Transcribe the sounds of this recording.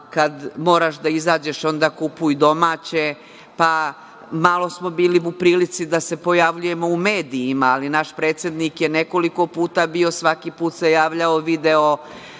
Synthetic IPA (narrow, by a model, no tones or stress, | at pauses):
kad̪moːɾaʃd̪aizaːd͡ʑe̞ʃo̞nd̪aːkupujd̪o̞maːt͡ɕe̞ | pa | malˠo̞smo̞biːliupɾiːlit̪sid̪ase̞po̞jaʋʎuje̞mo̞ume̞ːd̪iːmaːlinaʃpɾeːt̪sʲje̞d̪nikjene̞ko̞liko̞puːt̪abio̞sʋakipuːt̪se̞jaːʋʎaoʋid̪e̞o